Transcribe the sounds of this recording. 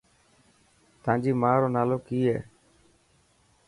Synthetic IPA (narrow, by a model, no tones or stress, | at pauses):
t̪ãːd͡ʒiːmaːɾoːnaːloːkiːɛ̰ː